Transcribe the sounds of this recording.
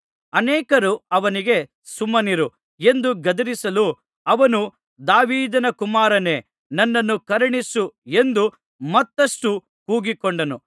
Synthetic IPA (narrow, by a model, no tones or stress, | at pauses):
ɐnɛːkɐɾuɐʋɐniɡe̞ | sumːɐniɾu | e̞nd̪uɡɐd̪ɐɾisɐlu | ɐʋɐnu | d̪aːʋiːd̪ɐnɐkumaːɾɐne̞ː | nɐnːɐnːukɐɾɐɳisue̞nd̪u | mɐt̪ːɐʂʈu | kuːɡikoɳɖɐnu